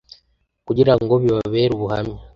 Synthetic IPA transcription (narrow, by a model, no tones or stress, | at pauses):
kuɟiɾaŋɡoβjoβaβeːɾuβuha̰mi